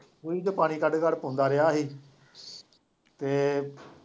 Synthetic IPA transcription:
kuiːd͡ʒəpaːñiːkəɖkəɽpõːnd̪aːɾɪaːɦiː | t̪eː

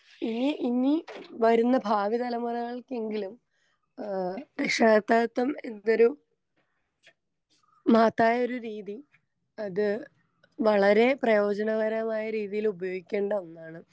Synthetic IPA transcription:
iniʔiniʋɐɾunːɐbʱaːʋit̪ɐlɐmɐrɐɣɐɭke̞ŋɡilum | ekʂaːt̪ːaːt̪ːɐme̞nːo̞ɾu | maːt̪ːaːjo̞ɾuɾiːði | ɐðɨ | ʋɐɭɐɾe̞prɐjo̞ːd͡ʑɐnɐʋɐɾɐmaːjɐɾiːðijilubɐjo̞ːɡikʲːe̞ːɳɖɐonːaːɳɨ

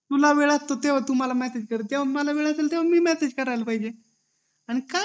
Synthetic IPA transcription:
t̪ulaʋeɭat̪ːot̪eʋ̤at̪um̤alamɛsed͡ʑkəɾət̪eʋ̤aməlaʋeɭaselt̪eʋ̤amiːmɛsed͡ʑkəɾajlpaɦid͡ʑe | aɽ̃ika

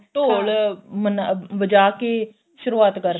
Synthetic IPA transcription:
ʈoːlmənʋəd͡ʒaːke | ʃʊɾuaːt̪kəɾ

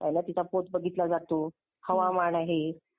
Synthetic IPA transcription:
ajnat̪it͡sapot̪̚bəɡʱit̪lad͡zat̪o | həʋamaɽ̃aɦe

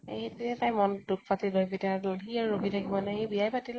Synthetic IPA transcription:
eetiɛtajmɔnduk̚pʰatilojpitaloɦiaɹoɡʱitʰakibɔnɛɦibijajpatil

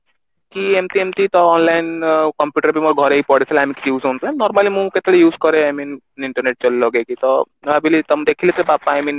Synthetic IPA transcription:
kiemt̪iemt̪it̪ɔɔnlajnkɔmpjuʈəɾbimɔɾɡʱɔɾeipɔɽet͡ʃʰɔlamiki̥t̪juːzɦont̪anɔɾmalimũket̪elejuːzkɔɾeamin | iɳʈɔɾneʈ̚t͡ʃɔllɔɡekit̪ɔ | abilit̪ɔmd̪ekʰilet̪ebapaajmin

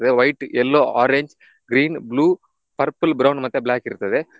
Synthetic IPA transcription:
ɐðɯʋɐɪʈɛlːoːaːɾeɲd͡ʒ | ɡɾiːnbluː | pɐɾpːɯlbɾɐʊnɖmɐt̪ːɐ̃bɪlaːkːɪɾɯnɐðɯ

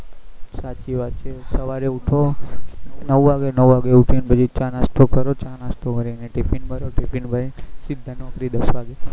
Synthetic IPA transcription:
satt͡ʃiʋad̪t͡ʃʰesəʋaɾeuʈʰo | nəʋʋaɡenəʋʋaɡeuʈʰinbəd͡ʒit͡ʃãnast̪ʰokəɾot͡ʃanast̪ʰoməɾineʈipʰinbʱəɾoʈipʰinbʱəɾesid̪ʱːənokɾid̪əsʋaɡe

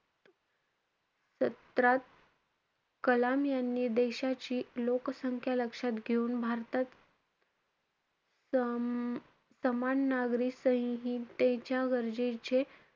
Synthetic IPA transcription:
sət̪ɾat̪̚ | kəlamjanːiːd̪eɕat͡ɕiːloksəŋkʰjaləkʂat̪ɡʱeuːnbʱaɾt̪at̪ | səmanːaɡɾiːsəɦɦit̪et͡ɕjaɡəɾd͡ʑet͡ɕe

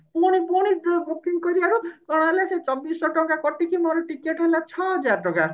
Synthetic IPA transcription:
poɽ̃ipoɽ̃idɡopiŋkɔɾibaɾukɔɽ̃ɔelaset͡ʃɔbisɔʈɔkakɔʈikimoɾɔʈikeʈɦolat͡ʃʰɔɦɔd͡ʒaɾɔʈɔka

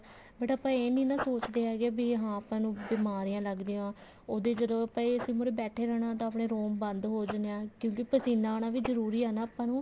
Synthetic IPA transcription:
bəʈaːpːãːeːniːnãːsoːt͡ʃd̪eːɦɛːɡaːbiːɦãːəpãːnũːbɪmaːɾijãːləɡd̪eːãː | oːd̪eːd͡ʒəd̪õːəpãːiəsĩːmʊɾeːbɛːʈʰeːɾɛːɽ̃ãːt̪ãːəpɳeːɾoːmbənd̪ɦoːd͡ʒaneãːkjõːkipəsiːnaːɽaːʋiːzəɾuːɾiːaːnaːəpãːnũː

